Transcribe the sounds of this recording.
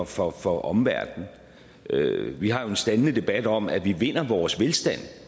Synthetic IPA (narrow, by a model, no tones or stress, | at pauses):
fɒ̽fɒʔɒ̽mʋæɐd̥n̩ | øʋiɦɑ̈jo̝e̝nsd̥ænənəd̥e̝b̥æd̥ɒ̽m̰æʋiʋe̝n̰ɐʋɒːsʋelsd̥æn̰